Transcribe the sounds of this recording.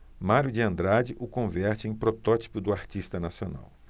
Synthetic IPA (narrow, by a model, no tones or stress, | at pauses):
maɾjʊd͡ʒɪɐ̃nd̪ɾad͡ʒɪʔʊkõvɛɾt͡ʃɪẽj̃pɾot̪ɔt͡ʃi̥pʊd̪ʊaɾt͡ʃist̪ɐnasiona̰w